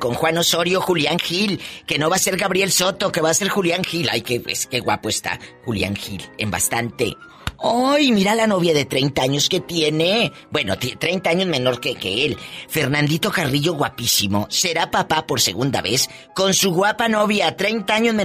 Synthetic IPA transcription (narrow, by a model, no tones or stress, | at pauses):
ko̞ŋxwano̞so̞ɾjo̞xuljaŋxilke̞no̞βase̞ɾɣaβɾje̞lso̞t̪o̞ke̞βase̞ɾxuljaŋxila̰jkeḛske̞ɣwa̰po̞est̪a̰xulja̰ŋxḭlḛmba̰st̪ant̪e̞̰ | ojmiɾalano̞βjaðe̞t̪ɾe̞jnt̪aaɲo̞ske̞t̪je̞ne̞ | bwe̞no̞̰t̪t̪ɾe̞jnt̪aaɲo̞zme̞no̞ɾkeke̞̰elfe̞ɾnand̪it̪o̞kariʝo̞ɣwapisimo̞se̞ɾapapapo̞ɾse̞̰ɣund̪a̰βe̞s | ko̞nsuɣwapano̞βjat̪ɾejnt̪aaɲo̞zme